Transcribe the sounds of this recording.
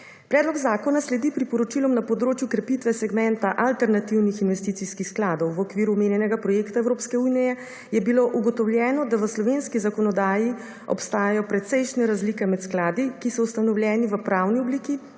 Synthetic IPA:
pɾɛːd̪lɔɡzaːkɔnaslɛd̪ipɾipɔɾɔt͡ʃilɔmnapɔd̪ɾoːt͡ʃjukɾɛpit̪ʋɛsɛɡmɛnt̪aʔalt̪ɛɾnat̪iwnixinʋɛst̪it̪sixskixsklaːd̪ɔwʋɔkʋiːɾumeːnjɛnɛɡapɾɔjekt̪aɛwɾoːpskɛuːnijɛ | jɛbiloʔuɡɔt̪ɔwljɛːnɔd̪aʋəslɔʋeːnskizakɔnɔd̪aːji | ɔ̰pst̪aːjajɔpɾɛt̪sɛjʃnɛɾazliːkɛmɛt̪sklaːd̪ikisɔust̪anɔwljɛːniʋəpɾawniɔbliːki

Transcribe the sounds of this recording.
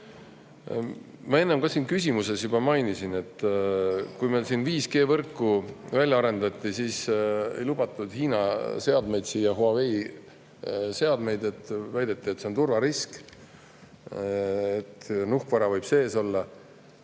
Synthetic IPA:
mɑe̞nːemkɑsiːnkysʲimuse̞sjubɑmɑjnisine̞t̪ː | kujmelsinviːske̞ːvɤrkːuvælʲjɑɑɾe̞nd̪̥ɑt̪ʲːˑisiːsḛjlub̥ɑt̪ːˑud̪̥hiːnɑse̞ɑd̪me̞jd̪siːjɑɦoɑvej | se̞ɑd̪me̞jd̪e̞t̪ːvæjd̪et̪ˑːiet̪seo̞nt̪urvɑɾisk | et̪nuhkvɑɾɑvɤjb̥se̞ːso̞lːɑ

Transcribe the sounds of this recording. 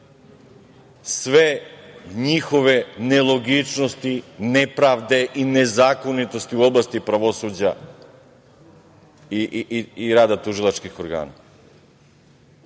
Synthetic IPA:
sʋeɲixo̞ʋenelˠo̞ɡit͡ʃnost̪inepɾaʋd̪e̞ʔinezaːko̞nit̪ost̪iuo̞blˠast̪ipɾaʋo̞sud͡ʑa | iiɾaːd̪at̪uʒilˠat͡ʃkixoɾɡa̰ːna

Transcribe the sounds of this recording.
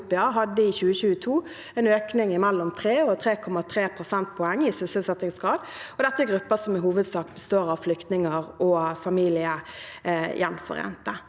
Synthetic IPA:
pɛɑɦɑd̪ːəɪçʉːəçʉːət̪ʰuː | ɛnøːknɪŋɪmɛlːɔmt̪ʰɾeːɔt̪ʰɾeːkʰɔmɑt̪ʰɾeːpʰʁʊsɛnt̪̚pʰɔɛŋːɪsʏsəlsɛt̪ɪŋsɡʁɑːd̪ɔd̪ɛt̪ːəɛɡʁʉpːəsɔmɪɦuːʋəd̪sɑːkbəst̪oːɾɑʋflʏkt̪nɪŋəʁɔfɑmiːlɪə | jʔɛnfɔ̰ʁɛ̰nt̪ə

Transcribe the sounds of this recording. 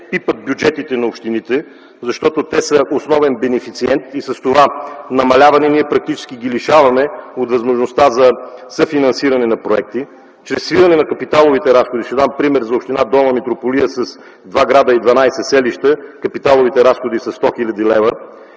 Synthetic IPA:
pipət̪̚bʲjʊd͡ʒɛt̪it̪ɛnɐopʃt̪init̪ɛ | zɐʃt̪ɔt̪ot̪ɛsɐʔosnɔvɛnbɛnɛfit̪siɛnt̪isɐst̪ovanɐmɐlʲavɐnɛniɛpɾɐk̚t̪it͡ʃɛ̥sk̟iɡiliʃavɐmɛot̪vɐzmoʒnost̪azɐsəfinɐnsiɾɐnɛnɐpɾoɛk̚t̪i | t͡ʃɾɛsːviɾɐnɛnɐkɐpit̪alˠovit̪ɛɾasxod̪iʃɛd̪ampɾimɛɾzɐopʃt̪inad̪ɔmɐmɛt̪ɾopolijəsɐs | d̪vaɡɾad̪əid̪vɐnajsɛsɛliʃt̪əkɐpit̪alˠovit̪ɛɾasxod̪isɐsːt̪ɔxilʲəd̪ilɛvə

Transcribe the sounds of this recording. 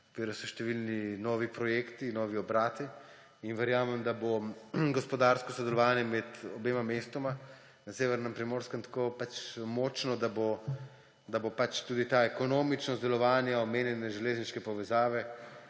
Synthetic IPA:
kʋiːɾɔsɔʃt̪ɛʋilninɔːʋipɾɔjekt̪inɔːʋiɔbɾaːt̪i | inʋɛɾjaːmɛmd̪aboɡɔspɔd̪aɾskɔsɔd̪ɛlɔʋaːnjɛmɛt̪ɔbeːmamest̪oma | naseːʋɛɾnɛmpɾimoːɾskɛmt̪ḁkopat͡ʃmɔːt͡ʃnɔd̪abo | d̪abopat͡ʃt̪uːd̪it̪aɛkonoːmit͡ʃnɔzd̪ɛlɔʋaːnjaɔmeːnjɛnɛʒɛleːzniʃkɛpɔʋɛzaːʋɛ

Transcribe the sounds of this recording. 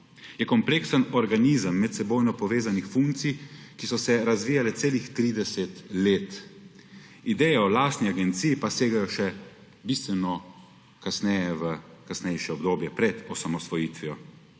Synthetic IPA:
jɛkɔmpleːksənɔɾɡaniːzəmːɛt̪sɛboːjnɔpɔʋeːzanixfuŋkt̪sijkisɔsɛɾazʋiːjalɛt̪seːlixt̪ɾiːd̪ɛsɛt̪leːt̪ | id̪ɛːjɛɔlaːst̪niaɡɛnt̪sijipaseːɡajɔʃɛ | bist̪ʋɛnɔ | kasnɛːjɛʋəkasnɛjʃɛɔbd̪oːbjɛpɾɛd̪ɔsamɔsʋɔjiːt̪ʋijɔ

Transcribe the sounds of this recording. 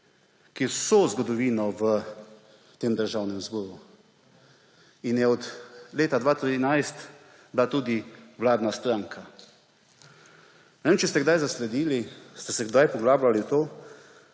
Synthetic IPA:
kisɔzɡɔd̪ɔʋiːnɔʋə | t̪eːmd̪əɾʒaːwnɛmzbɔːɾu | injɛɔt̪leːt̪ad̪ʋaːt̪ɾinajst̪ | blat̪uːd̪iʋlaːd̪nast̪ɾaːŋkʰa | nɛʋeːmt͡ʃɛst̪ɛɡd̪ajzaslɛd̪iːlist̪ɛsɛɡd̪ajpɔɡlaːblaliwt̪oː

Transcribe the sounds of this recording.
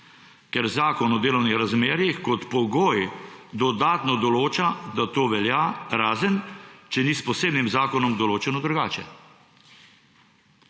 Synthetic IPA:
kɛɾzaːkɔnɔd̪eːlɔwnixɾazmeːɾjixkɔt̪pɔɡoːjd̪ɔd̪aːt̪nɔd̪ɔloːt͡ʃad̪at̪oːʋɛljaːɾaːzənt͡ʃɛnispɔseːbnimzaːkɔnɔmd̪ɔloːt͡ʃɛnɔd̪ɾuɡaːt͡ʃɛ̰

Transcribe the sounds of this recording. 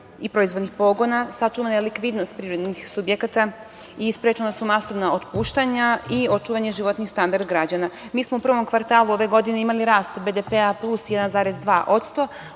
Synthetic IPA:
ipɾo̞izʋo̞d̪nixpo̞ɡo̞nasat͡ʃuʋanajelikʋid̪no̞st̪̚pɾiɾo̞d̪nixsubjekat̪a | ispɾet͡ʃelasumaso̞ʋnaot̪puːʃt̪aɲaio̞t͡ʃuːʋaɲeʒiʋo̞t̪nixst̪and̪aɾd̪ɡɾad͡ʑanamiːsmo̞upr̩ʋo̞mkʋaɾt̪aːluo̞ʋe̞ɡo̞d̪ine̞imaliɾaːst̪be̞d̪epeaplˠusjɛd̪anzaːɾezd̪ʋaːʔo̞t̪st̪o̞

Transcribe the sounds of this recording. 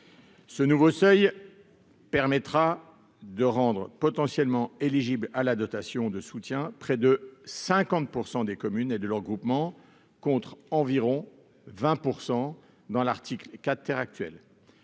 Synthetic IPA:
sənuvosœj | pɛʁmɛt̪χa | d̪əʁɑ̃d̪ʁpɔt̪ɑ̃sjɛlmɑ̃eliʒiblalad̪ɔt̪asjɔ̃d̪əsut̪jɛ̃pχɛd̪əsɛ̃kɑ̃t̪̚puʁsɑ̃d̪ekɔmyned̪əlœʁɡʁupmɑ̃ | kɔ̃t̪χɑ̃viʁɔ̃ | vɛ̃puʁsɑ̃ | d̪ɑ̃laʁt̪iklkʲatt̪ːɛʁak̚t̪ɥɛ̰l

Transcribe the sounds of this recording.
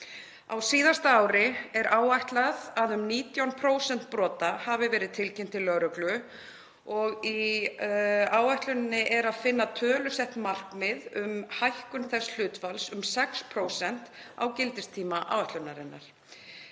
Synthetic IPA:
awsiːðast̪aaːwɾɪɛɾʔaːwajht̪laðaðʏmniːt̪jawnpʰɾoːwsɛn̥t̪̚pɾɔːt̪ahavɪvɛːɾɪðt̪ʰɪlcɛm̥t̪ʰɪlːœɾʏklʏ | ɔɣi | aːwajht̪lʏnnːɪʔɛɾaðfɪnːaðt̪ʰœːlʏsɛht̪mar̥kmɪðʏmhajhkʏnθɛsl̥ʏːt̪falsʏmsɛkspʰɾoːwsɛn̥t̪a̰wcɪlt̪ɪst̪ʰiːmaʔa̰ːwvajht̪lʏnːaɾɪnːa̰ɾ̥

